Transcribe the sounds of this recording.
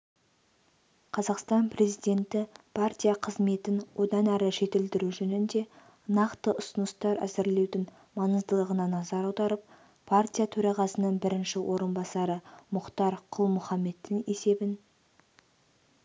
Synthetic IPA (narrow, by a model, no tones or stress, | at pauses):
qʰɑzɑqst̪ɑnpre̞zijd̪e̞nt̪ɪpʰart̪ʲijaqʰəzme̞t̪ɪnwʔo̞d̪ɑnæɾɪʒe̞t̪ɪld̪ɪɾuʒɵnɪnd̪e̞ | nɑqt̪əʔʊsənəst̪ɑɾæ̰zɪɾle̞wd̪ɪn | mɑnəzd̪əlˠəʁənɑnɑzɑɾɑwd̪ɑɾəp̚ | pʰart̪ʲijat̪ʰɵɾɑʁɑsənəɴbɪɾɪnʃɪwʔo̞ɾənbɑsɑɾəmʊqt̪ɑɾqʰʊlˠmʊχɑmːe̞d̪ːɪŋe̞se̞bɪn